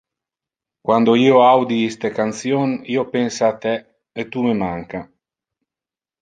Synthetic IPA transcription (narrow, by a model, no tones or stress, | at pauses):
kwand̪oiːoawd̪iist̪ekant̪sjoniːopɛnsaːt̪ɛ | et̪umemaŋka